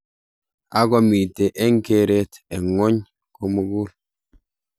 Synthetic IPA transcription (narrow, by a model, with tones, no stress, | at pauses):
a˦ɡɔ˨mi˨te˨ʔɛ˦ŋke˦ɾe˦tɛ˨ŋo˦ɲ | ko˦mu˦ɡu˦l